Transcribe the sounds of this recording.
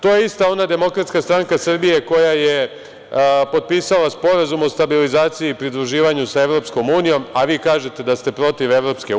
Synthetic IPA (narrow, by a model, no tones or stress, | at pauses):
t̪o̞ːjeist̪ao̞nad̪e̞mo̞kɾat̪skast̪ɾaŋkasr̩bije̞ko̞jaje̞ | po̞d̪̚piːsalaspo̞ɾazumo̞st̪abilizaːt̪sijiːpɾid̪ɾuʒiːʋaɲusae̞ʋɾo̞psko̞muːnijo̞maʋiːkaːʒe̞t̪e̞d̪ast̪e̞pɾo̞t̪iʋe̞ʋɾo̞pske